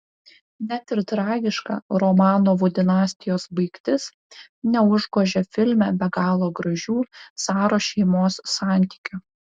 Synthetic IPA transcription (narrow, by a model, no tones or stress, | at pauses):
nʲæt̪ʲɪɾt̪ɾɑːɡʲɪʃkɑ̰ɾɔmɑːnoːʋʊd̪ʲɪnɑːsʲt̪ʲɪjoːsbɐɪkt̪ʲɪs | nʲɛʊʒɡoːʒʲɛfʲɪlʲmʲɛbʲɛɡɑːlˠoːɡɾɐʒʲuːsɑːɾoːʃʲɛɪmoːsːɑˑnʲˑt̪ʲi̥ːkʲʊ